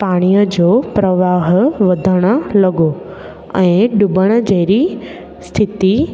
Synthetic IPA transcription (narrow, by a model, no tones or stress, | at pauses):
paːɽ̃ijəd͡ʑoːpɾɐʋaːɦʋɐd̪ʱəɽ̃ə̆lɐɡo | ɛ̃ːɖʊbəɽ̃ə̆d͡ʑeːɾi | st̪ʰɪt̪i